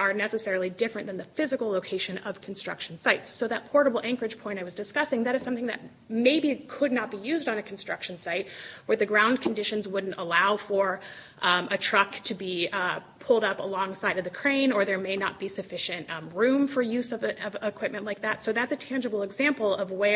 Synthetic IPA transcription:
ə˞nɛsɨsɛɹl̩ˠidɪfɹɨ̃nðɨ̃nðɨfɪzɨkl̩ˠloʊkʰeɪʃɨ̃nʌv̥kʰn̩stɹ̥ʌ̰kʃn̩saɪtsːoʊðɨt̚pʰɔɹɾəbl̩ˠʔæ̃ŋkə˞ɨd̥d͡ʒ̥pʰɔ̃ɪ̃ɾ̃aɪwʌzdɨskʌsɪ̃ŋðɨɾɨz̥sʌ̃mθɪ̃ŋðɨ̰t̚ | meɪbikʰədⁿnət̚b̥ijʉzdn̩ɨkʰn̩stɹ̥ʌ̰kʃn̩saɪt̚wə˞ðɨɡɹãʊ̃nkʰn̩dɪʃɨ̃nzwʊdⁿn̩təlaʊfə˞ʔʔɨtʰɹ̥ʌktʰɨbipʰʊlˠdʌpəlɔ̃ŋsaɪɾʌvðɨkʰɹ̥ẽɪ̃nə˞ðə˞meɪnət̚b̥isɨfɪʃɨ̃ntɹʉ̃ɱfə˞jʉzʌvʌvɪkʰw̥ɪp̚mɨ̃nʔlaɪk̚ðætsoʊðætsɨtʰæ̃nd͡ʒɨbl̩ˠəɡzæ̃mpl̩ˠʌvwə

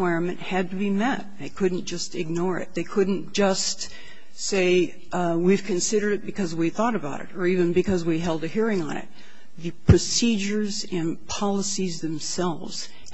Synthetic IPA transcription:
waɪɹɨ̃nmɨ̃nʔhɨd̚tɨbimɛt̚ðeɪkʰʊdⁿn̩d̥ʒ̥ʌstɨɡ̚nɔɹɪ̰t̪̚ðeɪkʰʊdⁿn̩d̥ʒ̥ʌst | seɪ | wiv̥kʰɨ̃nsɪɾə˞ɾɨt̚b̥ɨkʰʌzwiθɔɾɨbaʊɾɨ̰ɾə˞ivɨ̃nbɨkʰʌzwiɦɛlˠdɨhiɹɪ̃ŋə̰̃nɪ̰t̪̚ | ðɨpʰɹ̥ɨsid͡ʒə˞z | ɨ̃npʰɑlˠəsizðɨ̃msɛlˠvz̥

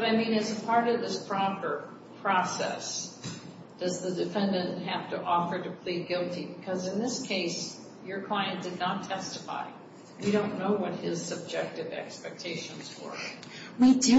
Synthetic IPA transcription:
b̥ʌɾaɪmĩnɨzəpʰɑɹɾʌvðɪspʰɹ̥ɑpə˞ | pʰɹ̥ɔsɛ̰s | d̥ʌzðɨdɨfɛ̃ndɨ̃nʔɦæftəʔɔfə˞ɾɨpʰl̥iɡɪlˠtibɨkʰʌzɨ̃nðɪskʰeɪs | jə˞kʰl̥aɪɨ̃nd̥ɨdⁿnətʰɛstɨfa̰ɪ | wiɾõʊ̃nːoʊwʌt̚hɪz̥sɨb̚d͡ʒɛk̚tɨvɛ̰kspɛk̚tʰeɪʃɨ̃nzwə̰˞ | widɨ

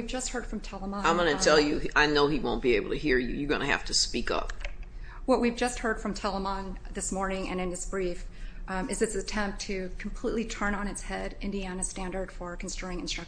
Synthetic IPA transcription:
ivd͡ʒʌst̚hɜ˞d̥fɹʌ̃mtʰɛlˠəmɑ̃ãɪ̃mɡʌnɨtʰɛlˠjɨʔaɪnoʊiwõʊ̃nb̥ieɪbl̩ˠtʰɨhiɹjʉ̰jə˞ɡʌ̰nɨhæ̰ftʰɨspikʌ̰p̚ | wʌʔ̚wivd͡ʒʌst̚hɜ˞d̥fɹʌ̃mtʰɛlˠəmɑ̃n | ðɪsmɔɹnɪ̃ŋɨ̰̃nɨ̃nðɪsb̥ɹif | ɨzɨtsɨtʰɛ̃mp̚tʰɨkʰm̩pʰl̥iʔˡlitʰɜ̃˞nə̃nɨtshɛɾɪ̃ndiænɨstæ̃ndə˞d̥fə˞kʰn̩sɪtɪ̃ŋɨ̃nstɹ̥ʌ

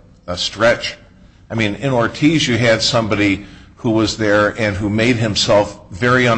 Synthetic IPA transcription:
əstɹ̥ɛt͡ʃ | aɪmĩnɪ̃nɔɹtʰizjɨɨd̥sʌ̃mbɑɾihuwʌzðə˞ɨ̃nɦumeɪd̚ɦɨ̃msɛlˠfvɛɹiʌ̃

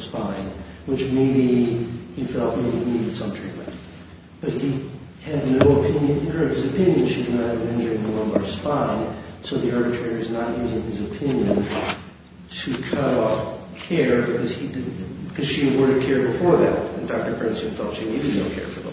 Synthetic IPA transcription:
spãɪ̃nwət͡ʃmeɪbihifɛlˠt̚meɪbiniɾɨd̥sʌ̃mtʰɹ̥ḭt̚mɨ̰̃nt | b̥ʌt̚hi | ɨdⁿnoʊəpʰɪ̃njɨ̃nɨ̃nə˞v̥ɨzɨpʰɪ̃njɨ̃nʃidɨdⁿnət̚ɨvɨ̃nɛ̃nd͡ʒə˞ɪ̃ŋðəlʌ̃mbɑɹd̥spãɪ̃nsoʊðiɑɹbɨtʰɹ̥ɛɹiwʌznəɾiziɨvɨzɨpʰɪ̃njɨ̃n | tʰɨkʰʌɾɔfkʰɛɹbɨkʰʌz̥idɪkʰʌz̥ʃiɨd̚wɜ˞ɨd̚kʰɛɹd̚bɨfɔɹðæ̰ɾɨ̃n̩fæk̚tɨpʰɨ̃nsɨ̃nfɛlˠtʃinizɨnoʊkʰɛ̰ɹfə˞ðə̰̃

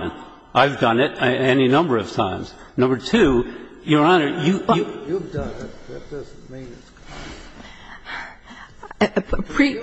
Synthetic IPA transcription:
ɨ̃n | ʔaɪvdʌ̃nɨɾɛninʌ̃mbə˞ʌv̥tʰãɪ̃mz̥ | nʌ̃mbə˞tʰʉ | jə˞ɑ̃nə˞jɨjuvdʌ̃nt̚ðɨt̚d̥ʌzn̩mĩnɨtskʰ | pʰɹ̥i

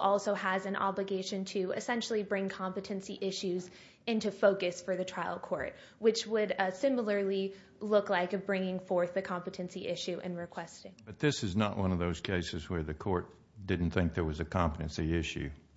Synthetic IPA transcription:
ʔɔlˠsoʊəzɨ̃nʔɑ̰bləɡeɪʃɨ̃ntʰɨɨ̰sɛ̃nʃl̩ˠibɹɪ̃ŋkʰɑ̃mpɨɾɨ̃nsiʔɪʃʉz | ɪ̃ntʉfoʊkɨsfə˞ðɨtʰɹ̥aɪlˠkʰɔɹt̚ | wɨt͡ʃwədsɪ̃ml̩ˠə˞lˠi | lʊklaɪkbɹɪ̃ŋɪ̃ŋfɔɹθðɨkʰɑ̃mpɨɾɨ̃nsiʔɪʃʉʔɨ̰̃nɹɨkʰw̥ɛstɪ̃ŋb̥ʌt̪̚ðɪsɨznəʔwʌ̃nʌvðoʊz̥kʰeɪsɨzwə˞ðɨkʰɔɹt̚ | d̥ɪdⁿn̩t̪θɪ̃ŋk̚ðə˞wʌzɨkʰɑ̃mpəɾɨ̃nsiɪʃʉ̰

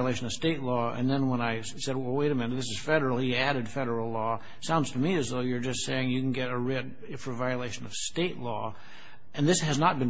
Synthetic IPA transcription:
leɪʃɨ̃nʌv̥steɪʔˡlɔɨ̰̃nðɨ̃nwə̃naɪ | sɛd̚wɛweɪɾɨ̃mɛ̃nɨðɪs̬ɨz̥fɛɾə˞l̩ˠhiæɾɨd̥fɛɾə˞l̩ˠlɔ | sãʊ̃ndz̥tʰəmiɨzðoʊjə˞d͡ʒʌstseɪɪ̃ŋjɨkn̩ɡɛɾəɹɪd̚ | fə˞vaɪɨleɪʃɨ̃nʌv̥steɪʔˡlɔ̰ | ʔɨ̃nðɪshɨznət̚b̥ɨ̃n

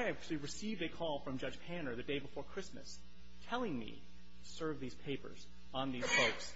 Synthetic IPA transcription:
æt͡ʃl̩ˠiɹɨsivdɨkʰɔlˠfɹʌ̃md͡ʒʌd͡ʒ̥pʰæ̃ñə˞ðɨdeɪbəfɔɹkʰɹ̥ɪsmɨ̰s | tʰɛlˠɪ̃ŋmḭ | tʰɨ̥sɜ˞vðiz̥pʰeɪpə̰˞z | ə̃n̩ðiz̥foʊks

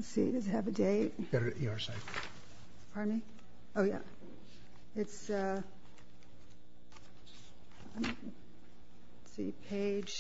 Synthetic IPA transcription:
sḭdʌzɨvɨdeɪt̚b̥ɛɾə˞ʔiɑɹsaɪk̩ | fə˞mi | oʊjæ̰ | ɨtsʌ | sḭpʰeɪd̥ʒ̥

